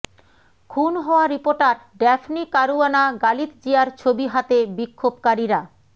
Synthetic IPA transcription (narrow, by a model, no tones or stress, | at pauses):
kʰunɦɔoaɾipoɾʈaɾ | ɖɛfʰnikaɾuanaɡalit̪d͡ʑeaɾt͡ɕʰobiɦat̪ebikʰːob̚kaɾiɾa